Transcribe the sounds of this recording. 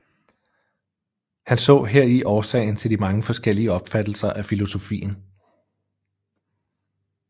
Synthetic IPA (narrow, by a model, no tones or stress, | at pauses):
hænsɔ̰̽ːɦeɐ̰iʔɒːsɛ̰ɪn̩t͡sʰe̝ld̥imɑ̈ŋəfɒ̽sɡ̥el̰iəɒ̽b̥fæd̥l̩sɐʔæfilo̝so̝fḭːn̩